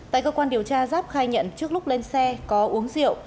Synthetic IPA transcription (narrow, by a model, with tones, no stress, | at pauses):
t̪a̰ː˧˨kəː˧kwaː˧nɗi˨˩əwt͡ɕaː˧zaː˦˥p̚xaː˧jɲə̰˧˨nt͡ɕɨ˦˥ək̚lʊ˦˥k͡p̚le˧nsɛ˧kɔ˨˦ʔu˨˦əŋzḭ˧˨əw